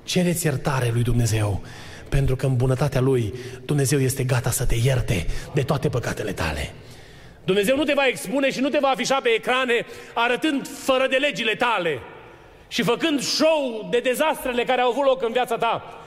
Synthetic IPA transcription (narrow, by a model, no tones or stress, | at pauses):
t͡ʃe̞ɾet̪sʲjert̪aɾe̞lujd̪umne̞ze̞w | pe̞nt̪ɾukəɨnbunət̪at̪ealujd̪̥umne̞ze̞wje̞st̪e̞ɡat̪asət̪e̞jert̪e̞d̪e̞t̪oat̪e̞pəkat̪e̞le̞t̪a̰le̞̰ | d̪umne̞ze̞wnut̪e̞vaekspune̞ʃinut̪̬e̞vaːfiʃape̞ːkɾane̞aɾət̪ɨnd̪fəɾəd̪e̞led͡ʒile̞t̪ale̞ | ʃifəkɨnd̪ʃowd̪e̞d̪e̞zast̪ɾe̞le̞kaɾeawavut̪lo̞kɨnvjat̪sat̪a